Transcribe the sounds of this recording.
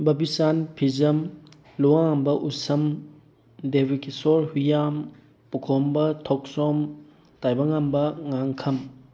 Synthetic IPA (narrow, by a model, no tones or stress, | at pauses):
bɐbisanpʰizɐm | luaŋambɐʔusɐm | debikesoɾhujam | pukʰombɐtʰɔk̚sɔm | tajbɐŋambɐŋaŋkʰɐm